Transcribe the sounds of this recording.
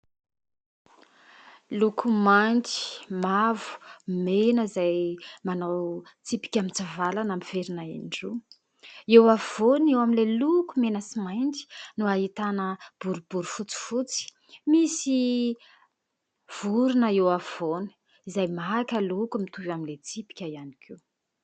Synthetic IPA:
lukʰumanti̥mavu̥menəzajmanawt͡sipi̥kʲamit͡savalanamiveɾinaḭɳɖ͡ʐu | ewav̥onewamilelukumenəsimajnd͡zi̥nuaɦit̪anəb̥uɾubuɾufut͡si̥fut͡si̥ | misi | v̥uɾunəewav̥on̥ | izajmaɦkʲəlukumit̪uvamilet͡sipi̥kʲajanikʰiw

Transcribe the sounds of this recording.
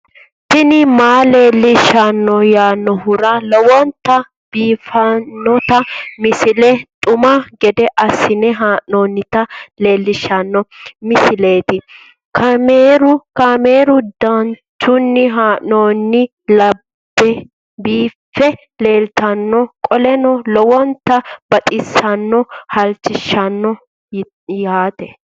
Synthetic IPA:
sɪnɪmaːle̞ːlːɪʃːɐnːɔjaːnːɔɦʊɾɐlɔwɔnt̪ɐ | b̥iːfɐnːɔt̪ɐmɪsɪlɛt̪ʼʊmɐɡɛd̪ɛʔɐsːɪnɛɦaːʔnoːnːɪt̪ɐle̞ːlːɪʃːɐnːɔmɪsɪle̞ːt̪ɪ | kɐmeːɾʊkɐmeːɾʊd̪ɐn | t͡ʃʊnːɪɦaːʔno̞ːnːɪ | lɐbːɛ | biːfːɛ | le̞ːlt̪ɐnːɔkʼɔlɛnɔlɔwɔnt̪ːɐbɐt̪ʼɪsɐnːɔhɐlt͡ʃːɪʃːɐnːɔ | jaːt̪ɛ

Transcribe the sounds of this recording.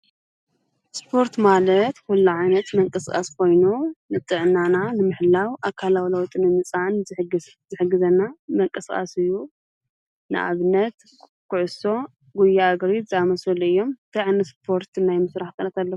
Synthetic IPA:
spʰo̞ɾt̪malɐt̪hulːuʕajnɐt̪mɐŋkʼɨskʼa̰skʰo̞jnunɨt̪ʼɨʕnːananɨmɨħlawʔakʰalawlɐwt̪ʼɨnɨmɨt͡sʼanɡ | zɨħɨɡːɨzɐnːamɐŋkʼɨskʼa̰sɨjːu | nɨ̰ʔa̰βnɐt̪ | kʰʊʕʊso̞ | ɡujaaɡɾizɨamɐsɐluɨjːo̞mt̪ʰajʕanɨspʰo̞ɾt̪ʰnajmɨsɾaħt̪ʰɐnɐt̪ʰalːɐku̥

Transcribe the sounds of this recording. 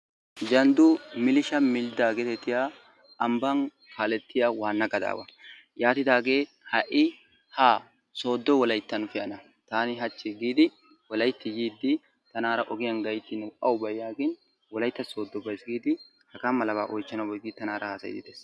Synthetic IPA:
d͡ʒɐnd̪ʊmɪlɪʃɐmɪld̪aːɡeːt̪ɛt̪ːɪjaː | ɐmbɐn | haːlɛt̪ːɪjawaːnːɐɡɐd̪a̰ːwɐ̰ | jaːt̪ɪd̪aːɡe̞ː | hɐʔɪ | haː | so̞ːd̪ːɔwɔlɐjt̪ːɐnʊfɪjɐnɐ | t̪aːnɪɦɐt͡ʃːɪɡiːd̪ɪ | wɔlɐjt̪ːɪjiːd̪ːɪ | t̪ɐnaːɾɐʔɔɡɪjɐnɡɐjt̪ːɪnʊʔɐwʊbɐjaːɡɪn | wɔlɐjt̪ːɐso̞ːd̪ːɔbɐjsɡiːd̪ɪ | hɐkɐmːɐlɐba̰ːʔɔjt͡ʃːɐnɐbɔjɡɪt̪ːɐnaːɾʔɐhaːsɐ̰jd̪ɪd̪eːs

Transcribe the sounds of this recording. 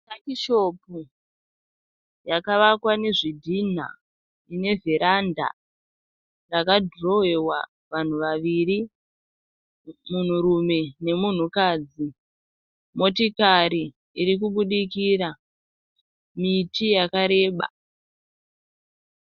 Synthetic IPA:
takiʃo̞pu | jakaʋakwane̞ʐidʱin̤a̰ | ine̞veɾanda̰ | rakadro̞ewa̰ | ʋan̤uʋaʋiɾi | mun̤uɾume̞ne̞mun̤ukaːd͡zi | mo̞tikaɾiː | ɾik̬uɓuɗikiɾa | mitijakaɾe̞ːɓa̰

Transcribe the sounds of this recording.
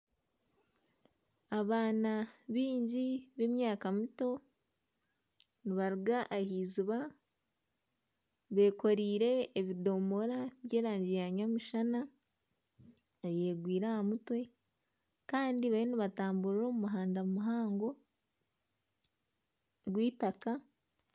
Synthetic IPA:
aβaːnaβiːɲɟiβemjaːkamuto̞ | niβaɾuɡaʔahiːziβa | βe̞ːko̞ɾiːɾe̞ːβido̞mo̞ɾaβje̞ːɾaːɲɟijaɲamuʃana | aje̞ːɡwiːɾahamutwe̞ | kaːndiβaβiniβataːmbuɾɾo̞ːmumuɦaːndamumuɦaːŋɡo̞ | ɡwiːtaka

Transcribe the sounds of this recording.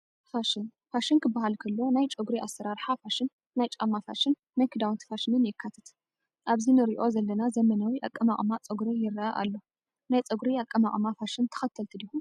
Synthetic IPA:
faʃɪn | faʃɨnkʰɨbːaɦalkʰɐlːo̞najt͡ʃʼɐɡɾiʔasːɐɾaɾħafaʃɪnː | ajt͡ʃʼamːafa̰ʃɪnːajkʰɨd̪awnt̪faʃɪnɨnjɪkʰːat̪ʰɐt̪ | ʔaβzinɨɾiʔo̞zɐlːɐnazɐmɐnawiʔa̰kʼːɐmakʼmat͡sʼɨɡɾijɪɾʔaʔa̰lːo̞ | najt͡sʼɨɡɾiakʼːɐmakʼmafaʃɪnt̪ʰɐ̥xɐt̪ʰːɐlt̪ʰɨd̪ihu

